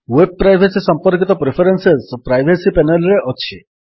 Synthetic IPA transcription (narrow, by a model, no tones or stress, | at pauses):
web̚pːɾajbʱesisɔmpɔɾkit̪ɔpɾepʰeɾensespɾajbʱesipɛnelɾeʔɔt͡ʃʰi